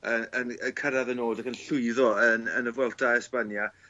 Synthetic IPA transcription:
əənəkʰəɾaðənoːdakənɬʊɨðɔənə̰nəvwɛlˠtʰaɛspanja

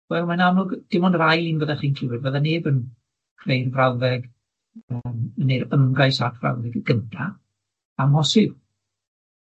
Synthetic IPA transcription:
wɛlˠmanamlʊɡd̥ɪmɔnrajlˠiːnvəðaχiːnkʰl̥ɪwɨdvəðaneːbən | kʰrejrvrawðɛɡ | əməneɾəmɡajsakʰv̥ra̰wðɛɡɡ̥əntʰa | amhɔsɪw

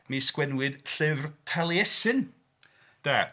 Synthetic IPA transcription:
miskwɛnwɨd̥ɬɨvrtʰalˠjɛsɨn | d̥a

